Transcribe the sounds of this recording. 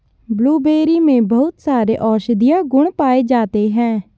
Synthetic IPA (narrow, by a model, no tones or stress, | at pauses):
bluːbeːɾiːmẽːbəʊt̪saːɾeːʔɔːʃd̪ɪjaːɡʊɳ̃paːeːd͡ʒaːt̪eːɦɛ̃ː